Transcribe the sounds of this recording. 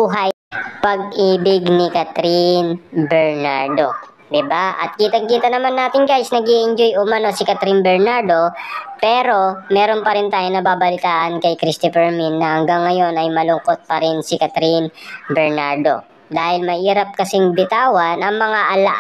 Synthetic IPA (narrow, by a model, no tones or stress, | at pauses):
uːɦɐj | pɐɡ̚ʔiːbɪɡnɪkɐt̪ɾinbɛɹnaɹd̪o̞̰ | d̪ɪbaʔɐ̰t̪̚kiːt̪ɐŋkiːt̪ɐnɐmanːaːt̪ɪŋɡajsnɐɡiʔɪnd͡ʒojʔʊmɐnosɪkɐt̪ɾinbɛɹnaɹd̪o̞pɛːɾo̞mɛːɾo̞npɐɾɪnt̪aːjonɐbaːbɐlɪt̪aːʔɐnkɐjkɾist̪ɪfɛɹminːɐhɐŋɡaŋːɐjo̞nɐjmɐlʊŋko̞t̪̚pɐɾɪnsɪkɐt̪ɾinbɛɹnaɹd̪o̞̰ | d̪aːhɪlmɐʔiːɾɐp̚kɐsɪŋbɪt̪aːwɐnʔɐŋmɐŋaʔɐlaʔ